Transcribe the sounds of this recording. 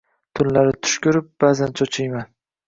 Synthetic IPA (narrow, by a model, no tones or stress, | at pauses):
t̪ʰʊnlaɾɪt̪ʰʊ̥ʃkʲʊɾɪp̚b̥azant͡ʃʰɒt͡ʃʰajman